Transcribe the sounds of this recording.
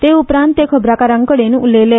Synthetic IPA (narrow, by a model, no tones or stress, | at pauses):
t̪eupɾãnt̪ːekʰəbɾakaɾãŋkəɽenulele